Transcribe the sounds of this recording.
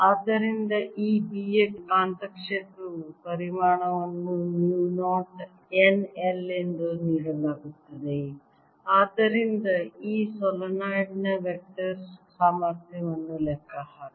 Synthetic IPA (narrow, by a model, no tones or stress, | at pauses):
aːd̪ːɐɾind̪ɐʔiːbiːeʈkaːnt̪ɐkʂeːt̪ɾupɐɾimaːɳɐʋɐnːunjuːnoːɾʈ | enelend̪uniːɽɐlaːɡut̪ːɐd̪e | aːd̪ːɐɾind̪ɐiːsɔlɐnaːjɖnɐʋek̚ʈɐɾssaːmɐɾt̪ʰjɐʋɐnːulɛkʰːɐɦa